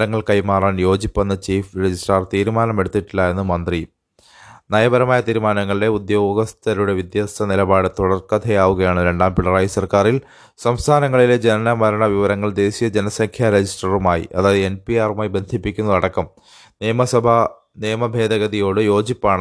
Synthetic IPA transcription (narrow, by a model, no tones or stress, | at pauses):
ɾɐŋːɐɭkɐjmaːraːnjo̞ːd͡ʑipːɐnːɐt͡ɕiːfɾed͡ʑisʈɐrt̪iːɾumaːnɐme̞ɽut̪ːiʈːilːɐe̞nːumɐnd̪ri | nɐjɐbɐɾɐmaːjɐt̪iːɾumaːnɐŋːɐɭiɽe̞ud̪jo̞ːɡɐst̪ʰɐɾuɽe̞ʋid̪jaːst̪ʰɐnilɐbaːɽɨt̪uɽɐrkɐd̪ʰʱɐjaːʋuɣɐjaːɳɨɾe̞ɳɖaːmpiɭːɐraːjisɐrkaːril | sɐmst̪ʰaːnɐŋːɐɭiled͡ʑe̞nɐnɐmɐɾɐɳɐʋiʋɐɾɐŋːɐɭd̪e̞ːɕijɐd͡ʑe̞nɐsɐŋkʰjaɾed͡ʑisʈɐrumaːjḭʔɐðaːðɨenpijaːrumaːjibe̞nd̪ʱipːikʲːunːɐðɐɽɐkːɐm | mɐsɐbʱɐ | nijɐmɐbʱe̞ːd̪ɐɣɐðijo̞ːɽɨjo̞ːd͡ʑipːaːɳɨ